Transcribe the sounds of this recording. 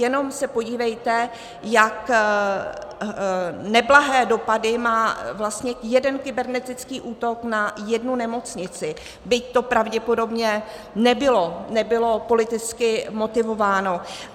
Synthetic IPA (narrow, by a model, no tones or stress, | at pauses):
jɛno̞msɛpo̞ɟiːvɛjt̪ɛ | jak | nɛblaɦɛːdo̞padɪmaːvlast̪ɲɛjɛdɛnkɪbɛɾnɛt̪ɪt͡skiːʔuːt̪o̞knajɛdnunɛmo̞t͡sɲɪt͡sɪ | bɪct̪o̞pɾavɟɛpo̞do̞bɲɛ | nɛbɪlonɛbɪlo̞po̞lɪt̪ɪt͡skɪmo̞t̪ɪvo̞vaːno̞